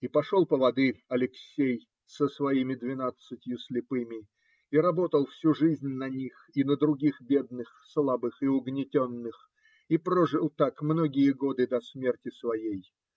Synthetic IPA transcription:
ipɐʂolˠpəvɐd̪ɨɐlʲɪksʲej | səsvɐimʲɪd̪vʲɪnat̪sɨtʲjʊsʲlʲɪpɨmʲɪ | iɾɐbo̞t̪əlˠfsʲuʐɨzʲnʲnɐnʲix | inəd̪ɾʊɡʲixbʲe̞d̪nɨxslˠabɨxɪʊɡnʲɪtʲonːɨx | ipɾoʐɨlˠt̪akmno̞ɡʲɪjəɡo̞d̪ɨd̪ɐsmʲe̞rtʲɪsvɐjej

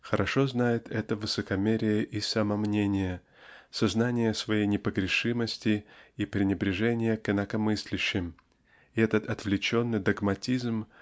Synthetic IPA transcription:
xəɾʔɐʂo̞znajɪt̪ʰɛt̪əvɨsəkɐmʲeɾʲɪjəʔisɐmɐmnʲenʲɪjə | sɐznanʲɪjəsvɐjejnʲɪpəɡɾʲɪʂɨməsʲtʲɪipɾʲɪnʲɪbɾʲɪʐɛnʲɪjəkɪnəkɐmɨsʲlʲɪɕːɪm | ɪɛt̪ət̪ɐt̪vlʲɪt͡ɕo̞nːɨjd̪ɐɡmɐtʲizm

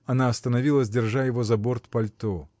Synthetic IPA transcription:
ɐnaɐst̪ənɐvʲilˠəzʲdʲɪrʐajɪvozɐbort̪pɐlʲt̪o

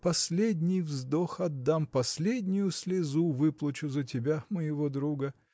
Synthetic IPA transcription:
pɐsʲlʲedʲnʲɪjvzd̪oxɐd̪ːampɐsʲlʲedʲnʲɪjʊsʲlʲɪzuvɨplˠət͡ɕʊzətʲɪbʲaməjɪvod̪ɾuɡə

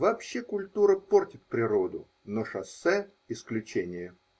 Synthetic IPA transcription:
vɐpɕːekʊlʲt̪uɾəportʲɪt̪̚pɾʲɪɾo̞d̪ʊ | noʂɐsːɛ | ɪsklʲʉt͡ɕenʲɪjə

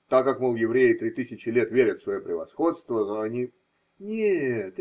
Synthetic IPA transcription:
t̪akːakmolˠjɪvɾʲejɪt̪ɾʲit̪ɨsʲɪt͡ɕɪlʲet̪vʲeɾʲət̪svɐjopɾʲɪvɐ̰sxo̞t̪st̪vənoɐnʲi | nʲet̪

